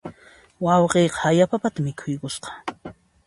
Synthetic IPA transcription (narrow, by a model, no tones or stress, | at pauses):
wɑwqeːqɑ̥ajapapat̪amɪkʰʊjkʊsqɑ̥